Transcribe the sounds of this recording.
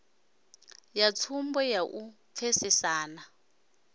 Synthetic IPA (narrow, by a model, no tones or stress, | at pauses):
jat͡sʰumbɔjaʔup̪fʰesisaːna